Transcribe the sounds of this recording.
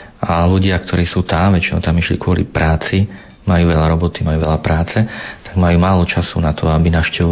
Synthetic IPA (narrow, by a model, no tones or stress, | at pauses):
ʔaluɟɪak̚t̪ʰɔɾiːsuːt̪amʋɛt͡ʃinɔ̰ʊt̪amiʃlḭkʊɔlḭpɾaːt͡si | majuːʋɛʎaɾɔbɔt̪imajuːʋɛʎapɾaːt͡sɛt̪aɡmajuːmaːlɔt͡ʃasṵnat̪ʰɔabinaʊʃcɛʋɔ